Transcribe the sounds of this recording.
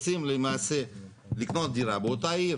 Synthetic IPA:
simləmase | likʰnɔsd̪iɾabot̪ai

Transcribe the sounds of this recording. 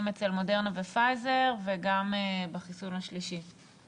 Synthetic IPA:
met͡se̞lmo̞de̞ʁnavefajze̞ʁveɡambaχisunaʃliʃi

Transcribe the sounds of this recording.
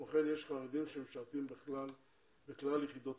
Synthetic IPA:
aχenjeʃχaʁed̪imʃemeʃaʁt̪imbeχlal | beklaljeχid̪o

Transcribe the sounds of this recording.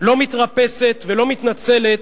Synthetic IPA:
lo̞mit̪ʁape̞se̞t̪ve̞lo̞mit̪nat͡se̞le̞t̪̚

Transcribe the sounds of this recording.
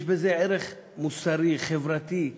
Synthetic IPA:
ʃbezeʕeɾeχ | musaɾiχevɾat̪i

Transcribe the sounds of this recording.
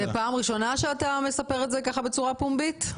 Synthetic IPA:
epaːmʁiʃo̞naʃeatame̞sape̞ʁetzekaχabe̞t͡suʁapumbit

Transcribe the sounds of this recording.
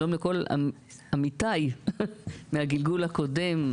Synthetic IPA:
omleko̞la̰ | amit̪aj | mehaɡilɡulhako̞de̞m

